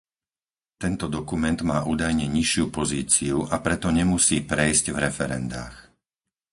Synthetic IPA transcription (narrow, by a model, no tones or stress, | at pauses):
t̪ɛnt̪ɔd̪ɔkumɛnd̪maːʔuːd̪ajɲɛɲiʃɪupɔziːt͡siuʔapɾɛt̪ɔɲɛmusiːpɾɛjzcvɾɛfɛɾɛ̰nd̪a̰ːx